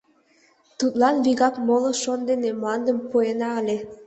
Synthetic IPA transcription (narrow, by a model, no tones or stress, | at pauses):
t̪ut̪lɑnβiɣɑkmolŏʃond̪enemoɑnd̪ə̆mpoenɑəlʲe